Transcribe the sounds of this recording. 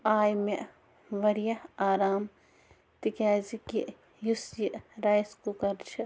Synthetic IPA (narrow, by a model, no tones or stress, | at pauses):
aːjme | ʋɐɾijɐhaːɾaːm | t̪ikaːziki | jusjiɾaːjskukɐɾt͡ʃʰɨ